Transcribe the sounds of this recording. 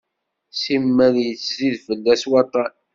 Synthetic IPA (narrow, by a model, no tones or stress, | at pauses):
simːæðjət͡sːziðfəlːæswɑt̪ˤɑn